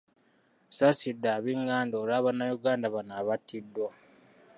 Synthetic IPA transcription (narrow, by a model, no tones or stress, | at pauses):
sasidːaːβiŋɡaːndoːlaːβanːajuɡaːndaβanaːβatʰːidːwa